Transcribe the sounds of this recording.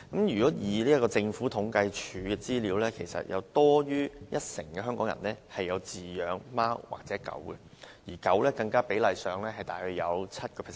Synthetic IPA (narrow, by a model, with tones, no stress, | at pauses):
kɐ˨˥mjyː˨˩kɔː˨˥jiː˨˩liː˥ɐ˥kɔː˧t͡sɪ˧ŋfuː˨˥t̪ʰʊ˨˥ŋkɐ˧jt͡ʃʰyː˨˧ɡɛː˧t͡siː˥liː˨˧˥wlɛː˥kʰe˨˩jsɐ̰˨t̚jʔɐ̰˨˧wt̪ɔː˥jyː˥jɐ˥t̚sɪ˨˩ŋkɛ˧hœː˥ŋkɔː˨˥ŋjɐ̰˨˩nlɛː˥hɐ˨jːɐ˨˧wt͡siː˨jœː˨˧ŋmaː˥wwa̰ː˨k̚t͡sɛː˨˥kɐ̰˨˥wkɛ˧ | jiː˨˩kɐ˨˥wlɛː˥kɐ˧ŋkaː˥pe˨˥jlɐ˨jsœː˨ŋlɛː˥hɐ˨jt̪aː˨jhɵ˧jɐ˨˧wt͡sʰɐ˥t̚kɔː˧˨˩